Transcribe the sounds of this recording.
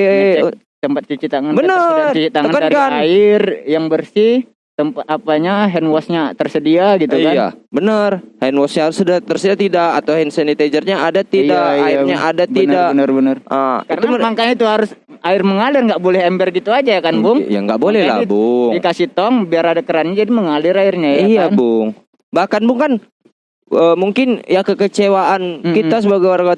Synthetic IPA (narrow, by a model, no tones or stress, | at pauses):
t̪əmpat̪̚t͡ʃut͡ʃit̪aŋanbənəart͡ʃut͡ʃit̪aŋəŋanadaɾikaaɪrjaŋbərsih | t̪əmpat̪apaɲaɦɛnwɔsɲat̪ərsədiaɡit̪uikja̰bənərhɛnwɔsɲahaɾʊsədat̪ərsədiat̪idakat̪awɛnsɛnit̪ed͡ʒərɲaʔadat̪ijdakaɪɲaʔadatb̪iəndabənərbənərʔakainuamaŋkaɲait̪uɦaɾʊs | aɪrməŋalɪrŋɡaʔbolɛhɛmbɛrɡit̪uad͡ʒajakanbʊŋja̰ŋɡaʔbolɛhla̰bʊŋdikasit̪ɔŋbiaɾadakəɾanɲad͡ʒadiməŋalɪɾaɪrɲaijabʊŋ | bahkanbʊŋkan | əmuŋkɪnjakəkət͡ʃewaʔankit̪as̬əbaɡajwarɡa